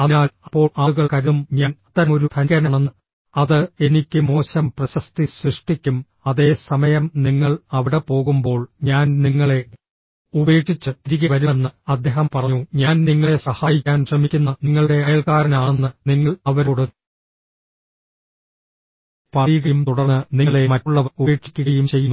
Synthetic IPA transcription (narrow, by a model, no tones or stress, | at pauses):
ɐnaːlɐpːo̞ːɭɐuɣɐɭkɐɾumɲaːnɐt̪ːɐɾɐmo̞ɾut̪ʰɐkːɐnɐɳenːɨ | ɐðɨe̞nikʲːɨmo̞ːɕɐmprɐɕɐst̪iɕriʂʈikʲːum | ɐðe̞ːsɐmɐjɐmniŋːɐɭɐʋiɽe̞po̞ːɣumbo̞ːɭɲaːnniŋːɐɭe̞ | ube̞ːkʂit͡ɕːɨt̪ɾiɣɐʋɐɾunːɨɐd̪ʱjeɦɐmpɐrɐɲːuɲaːnniŋːɐɭe̞sɐhaːjikʲːaːnɕrɐmikʲːunːɐniŋːɐɭɽe̞ɐjɐlkaːɾɐnaːɳenːɨniŋːɐɭɐʋɐɾoːɽu | pɐijɣɐjumt̪uɽɐrnɨniŋːɐɭe̞mɐtːuɭːɐʋueːkʂi̥kʲːuɣɐjumt͡ɕe̞jːunː